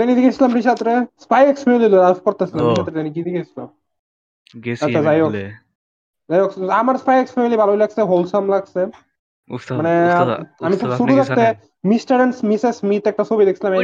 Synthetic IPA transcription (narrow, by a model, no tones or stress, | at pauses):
t̪enid̪ikʰasʰilambɾiʃat̪ɾespajɛksfemelilolafkoɾt̪asʰilambiʃat̪ɾet̪anik̬id̪ikʰesʰila̰m | aazaja | zajaksamaɾspajekspemelibʱalobellakseɦolsamlaɡse | maneamikʰukʃuɾuɾakt̪e | misʈaɾensmisesmit̪ɛk̚ʈasʰobid̪ekʰisʰilamɛ